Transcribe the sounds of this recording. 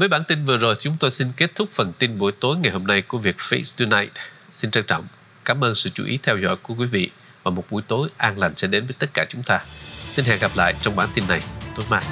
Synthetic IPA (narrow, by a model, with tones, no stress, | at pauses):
vəː˨˦jɓaː˧˩nt̪i˧nvɨ˨˩əzo˨˩jt͡ɕʊ˨˦ŋ͡mt̪o˧jsi˧nke˦˥t̚t̪ʰʊ˦˥k͡p̚fə˨˩nt̪i˧nɓu˧˩jt̪o˨˦jŋa˨˩jho˧mna˧jku˧˩əvi˨˩ək̚fe˧˦st̪u˧naː˧jt̚ | si˧nt͡ɕaː˧ŋt͡ɕɔ̰˧˨wŋ͡m | kaː˨˦mʔəː˧nsɨ̰˧˨t͡ɕṵ˧˩ʔḭ˨˦t̪ʰɛ˧wzɔ̰˧˥jku˧˩əkwi˨˦vḭ˧˨ | vaː˨˩mo˨˩t̚ɓu˧˩jt̪o˨˦jʔaː˧nla˨˩ŋ̟sɛ̰˧˥ɗe˨˦nvəː˨˦jt̪ə˦˥t̚kaː˧˩t͡ɕʊ˨˦ŋ͡mt̪aː˧si˧nɦɛ̰˧˨ŋɣa˨˩p̚la̰ː˧˨jt͡ɕɔ˧wŋ͡mɓaː˧˩nt̪i˧nːa˨˩jt̪o˨˦jmaː˧˩